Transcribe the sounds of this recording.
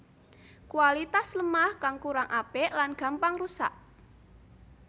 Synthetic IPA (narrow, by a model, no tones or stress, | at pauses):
kuwalit̪asləmahkaŋkuɾaŋʔapelanɡ̥a̤mpaŋrusa̰ʔ